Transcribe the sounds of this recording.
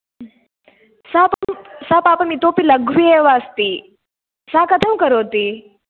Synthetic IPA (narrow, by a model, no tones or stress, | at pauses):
saːpmsapaːpɐmit̪oːpilɐɡʱʋieʋaːst̪i | sakɐt̪ʰɐmkɐɾoːt̪i